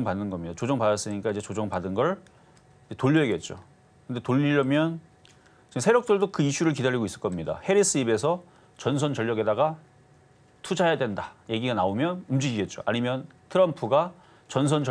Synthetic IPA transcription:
ŋpanːɯnɡʌmɲidat͡ɕod͡ʑʌŋpadas͈ɯɲik͈aid͡ʑet͡ɕod͡ʑʌŋpadɯnɡʌɭ | id͡ʑe̞toʎːeɡe̞t̚t͡ɕ͈o̰ | kɯnde̞toʎːiɾʌmjʌn | t͡ɕisʰe̞ɾjʌk̚t͈ɯɭdokɯiɕ͈ʰuɾɯɭk̬idaɾiɡois͈ɯ̥ɭk͈ʌmɲida̰he̞ɾis͈ɯibe̞sʰʌ | t͡ɕʌnsʰʌnt͡ɕʌʎːjʌɡe̞daɡa | tʰud͡ʑajadwe̞ndaje̞ɡiɡanaomjʌnumd͡ʑiɡiɡe̞t̚t͡ɕ͈o̰a̰ɲimjʌn | tʰɯɾʌmpʰuɡa | t͡ɕʌnsʰʌnt͡ɕʌ

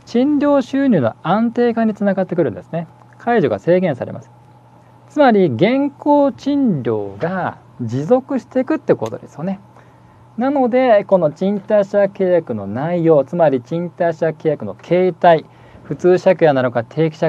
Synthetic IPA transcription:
t͡ɕĩɲɾʲo̞ːɕɨːɲʲɨːno̰ãnt̪e̞ːkãɲ̟ːit͡sɨnaɡat̪ːekɯ̟ɾɯ̟̃nd̪e̞sɨ̥ne̞ | kʰaiʑoɡa̰se̞ːɡẽ̞ɰ̃saɾe̞̰ma̰sɨ̥ | t͡sɨmaɾʲiɡẽ̞ŋko̞ːt͡ɕĩnɾʲo̞̰ːɡa | d͡ʑizo̞kɯ̟ɕi̥t̪e̞kɯ̟t̪ːeko̞̰t̪od̪e̞sɨ̥jo̞ne̞ | nano̞d̪e̞ko̞no̞t͡ɕĩnt̪aiɕake̞ːjakɯ̟no̞̰naijo̞ːt͡sɨmaɾʲit͡ɕĩnt̪aiɕake̞ːjakɯ̟no̞kʰe̞ːt̪ai | ɸɯ̟t͡sɨːɕakɯ̟janaɾokat̪ʰe̞ːkʲi̥ɕa

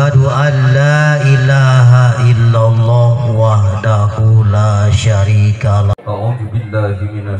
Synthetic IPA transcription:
aduʔanːaːʔilaːɦaʔɪlːalˤːɑːhwahdahulaːʃaɾiːkalaauːbɪlːana

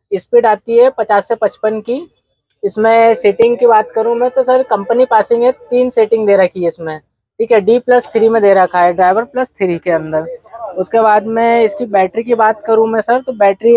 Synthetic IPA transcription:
ɪspiɖaːt̪iɦɛpɐt͡ʃaːsːepɐt͡ʃpənki | ɪsmẽseːʈɪ̃ŋɡkibaːt̪kɐɾũmẽt̪osɐɾkɐ̃mpənipaːsɪ̃ŋɡɦɛt̪iːnseːʈɪ̃ŋɡd̪eːɾɐkʰiɦɛɪsmẽ | ʈʰiːkɦɛɖiːplɐst̪ʰɪɾimẽd̪eːɾɐkʰaɦɛɖɾaːɪʋəɾplɐst̪ʰɪɾikeɐ̃nd̪əɾʊskeβaːd̪mɛ̃ɪskibɛːʈɾikibaːt̪kɐɾũmẽsɐɾt̪obɛːʈɾi

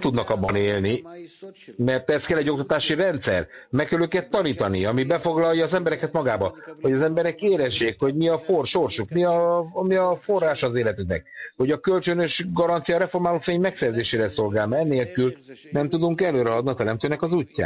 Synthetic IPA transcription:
t̪ud̪nɒkɒbːɒneːlni | mɛrt̪ɛst̪kɛlːɛɟːo̞k̚t̪ɒt̪aːʃirɛnt̪sɛ̰rmɛkkːɛløːkɛt̪ːɒniːt̪ɒniɒmibɛfo̞ɡlɒjɒːzɛmbɛɾɛkɛt̪mɒɡaːbɒho̞ɟɒzɛmbɛɾɛkeːlɛʒːeːkho̞ɟmiɒforʃo̞rʃukmiɒmiɒfo̞rːaːʃɒːzeːlɛt̪yŋnɛ̰k̚ho̞ɟɒkølt͡ʃønøʃɡɒɾɒnt̪sijɒɾɛfo̞rmaːlofeːɲmɛksɛrzeːʃeːɾɛso̞lɡaːlmnːeːlkylnɛmt̪ud̪uŋkɛløːɾɛɦɒd̪niɒt̪ɛɾɛmt̪øːnɛkɒzucːa̰ː

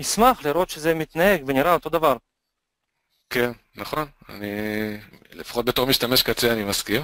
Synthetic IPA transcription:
nismaχliɾo̞t̪ʃezemit̪naeɡveniɾao̞t̪o̞d̪avaɾ | ken | naχo̞n | a̰ni | lefḁχo̞t̚bet̪o̞ʁmiʃt̪ameʃkat͡seanimaskim

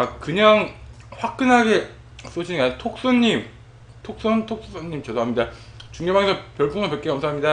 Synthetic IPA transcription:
akɯɲaŋ | ɸwak̚k͈ɯnɦaɡe | s͈od͡ʑʰiniaɲtʰok̚s͈oɲːim | tʰok̚s͈ontʰok̚ss͈ʌɲːimt͡ɕʌdoɦamɲida | t͡ɕuŋjʌbaŋesʰʌpjʌɭp͈uŋɯpet̚k͈ekʌmsʰaamɲida

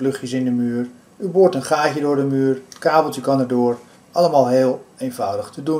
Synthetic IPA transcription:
lɵχjəsɪndəmyːər | yboːrtənχaːcədʊːɹdəmyːrətkaːbəl̩ˠtykɑnəɹdʊːr | ʔɑləmaːlˠɦeːlˠejnvʌwdəχtʰədun

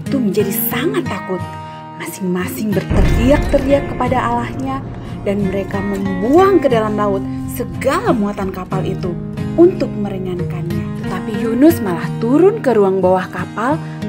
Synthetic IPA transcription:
it̪uməɲd͡ʒadisaŋat̪ːakʊt̪̚ | masɪŋmasɪŋbərt̪əriak̚t̪əriakːəpadaʔalahɲa | danməɾekaməmbuaŋkədalamlaʊt̪̚ | səɡalamuat̪ankapalʔit̪u | unt̪ʊk̚məɾəŋankanɲat̪ət̪apijunʊsmalaht̪uɾʊnkəɾuaŋbawahkapal

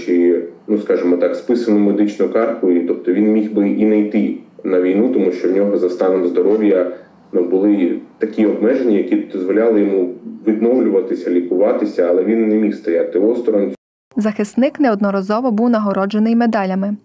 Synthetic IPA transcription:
t͡ʃinuskɑʒɪmɔt̪ɑkspɪsɐnʊmed̪ɪt͡ʃnʊkɑrkʊit̪ɔp̚t̪ɔʋʲinmʲixbɪʔinɐjt̪ɪnɐʋʲijnut̪ɔmuʃt͡ʃɔwnʲɔɦɔzɐst̪ɑnɔmzd̪ɔɾɔwʲjɐ | nɐbʊlˠɪt̪ɐkʲiɔb̚mɛʒenʲːɐjɐkʲid̪ɔzʋɔlʲalˠɪjɔmuʋʲid̪nɔwlʲʊʋɐt̪ɪsʲɐlʲikʊʋɑt̪ɪsʲɐːlˠɛʋʲinːemʲixst̪ɐjat̪ɪɔst̪ɔɾɔnʲ | zɐxɪst̪nɪknɛɔd̪nɔɾɐzɔʋɔbuwnɐɦɔɾɔd͡ʒenɪjmed̪ɑlʲɐmɪ

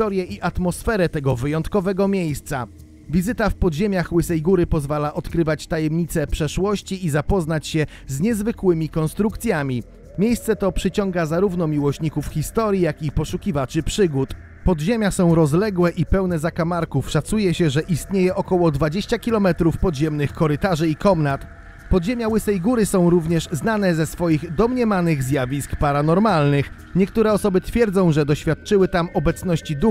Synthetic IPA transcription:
ɔɾjɛʔiʔat̪mɔsfɛɾɛt̪ɛɡɔvɘjɔnt̪kɔvɛɡɔmʲjejst̪sa | vʲizɘt̪afpɔd̪ʑemʲaxwɘsɛjɡuɾɘpɔzvalaʔɔt̪kɾɘvat͡ɕt̪ajɛmɲit̪sɛpʂɛʂwɔɕt͡ɕiːzapɔznat͡ɕɕɛ | zɲɛzvɘkwɘmʲikɔnst̪ɾukt̪sʲjamʲi | mʲjejst̪sɛt̪ɔpʂɘt͡ɕɔŋɡazaɾuvn̪ɔmʲiwɔɕɲikufxʲist̪ɔɾʲjijakipɔʂukʲivat͡ʂɘpʂɘɡut̪ | pɔd̪ʑemʲjasɔ̃w̃ɾɔzlɛɡwɛʔipɛwnɛzakamaɾkufʂat̪sujɛɕɛʐɛʔist̪ɲejɛʔɔkɔwɔd̪vad͡ʑeɕt͡ɕakʲilɔmɛt̪ɾufpɔd̪ʑɛmnɘxkɔɾɘt̪aʐɘikɔmnat̪ | pɔd̪ʑemʲjawɘsɛjɡuɾɘsɔ̃w̃ɾuvɲɛʂznanɛzɛsfɔjiɣd̪ɔmɲɛmanɘɣzʲjavʲiskpaɾanɔɾmalnɘx | ɲɛkt̪uɾɛɔsɔbɘt̪fʲjɛɾd̪zɔ̃w̃ʐɛd̪ɔɕfʲjat̪̚t͡ʂɘwɘt̪amɔbɛt̪sn̪ɔɕt͡ɕid̪u

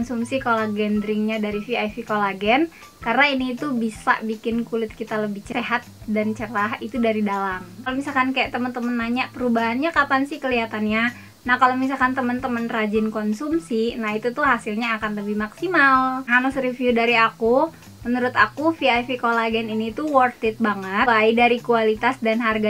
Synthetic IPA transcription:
kɔnsumsikolaɡɛndɾɪŋɲadaɾifiajfikolaɡɛn | karnainiːt̪ubisa̰bikɪnkulɪt̪̚kit̪aləbɪht͡ʃəeɦat̪̚dant͡ʃəɾaɦit̪udaɾidalamkalomisalkankajaʔt̪əmənt̪əmənmaɲaʔpəɾubaɦanɲakapansɪhkəliat̪anɲa | nahkalomis̬alkant̪əmənt̪əmənrad͡ʒɪnkɔnsumsinahit̪ut̪ʊhasilɲaːkanləbɪhmaksimalɦanəsɾifjudaɾiaku | mənuɾʊt̪akufiajfikolaɡɛniniːt̪uwɔrt̪ɪt̪̚baŋəajdaɾikualit̪asdanɦarɡa

